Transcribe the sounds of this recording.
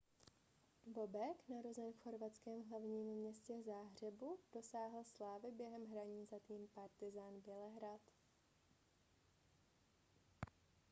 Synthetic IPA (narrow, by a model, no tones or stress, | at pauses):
bo̞bɛknaɾo̞zɛnfxo̞ɾvat̪t͡skɛːmɦlavɲiːmːɲɛscɛzaːɦr̝ɛbud̥o̞saːɦl̩slaːvɪbjɛɦɛmɦɾaɲiːzat̪iːmpaɾt̪ɪzaːnbjɛlɛɦɾat̪